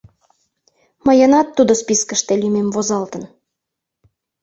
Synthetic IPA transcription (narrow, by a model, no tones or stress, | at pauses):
mɤjɤnɑt̪ːud̪ospiskə̆ʃt̪elʲymemvozɑlt̪ə̆n